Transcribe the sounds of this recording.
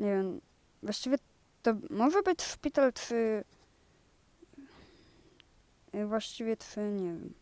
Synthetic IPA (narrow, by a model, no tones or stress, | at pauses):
ɲɛvʲjɛm | vwaɕt͡ɕivʲɛ | t̪ɔmɔʐɛbɘt͡ɕʂpʲit̪alt̪ʂɘ | vwaɕt͡ɕivʲjɛt̪ʂɘɲɛvʲɛ̰m